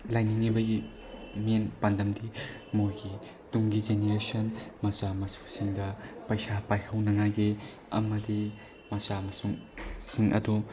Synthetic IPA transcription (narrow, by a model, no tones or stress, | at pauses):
lajniŋːibɐɡi | menpandɐmdimojɡi | tuŋɡid͡ʒeneɾesɐnmɐsamɐsu̥siŋdɐpɐjsapajhɐwnɐŋajde | ɐ̰mɐdi | mɐsamɐsuŋsiŋʔɐ̰du